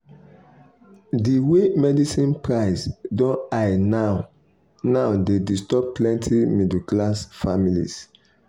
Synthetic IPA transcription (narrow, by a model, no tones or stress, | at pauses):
diwemɛdisĩnpɹaɪsdɔ̃ajna | naʊdedistɔp̚plɛ̃ntʰimiduklasfamilḭs